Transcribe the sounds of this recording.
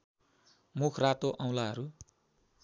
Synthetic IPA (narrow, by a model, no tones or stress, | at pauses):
mukʰrat̪oʔʌ̃w̃laɦʌɾu